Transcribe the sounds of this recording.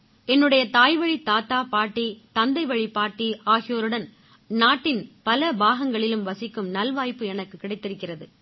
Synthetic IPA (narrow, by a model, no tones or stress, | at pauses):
ɛnːɯɽɐjɐt̪aːjʋɐɻit̪aːt̪aːpaːʈːit̪ɐnd̪ɐɪʋɐɻipːaːʈːiaːɣɪjoːɾɯɽɐn | naːʈːɪnpɐlɐbaːɣɐŋɡɐɭɪlɯmʋɐsɪkːɯmnɐlʋaːjpːɯɛnɐkːɯkːɪɽɐɪt̪ːɪɾɯkːɪrɐðɯ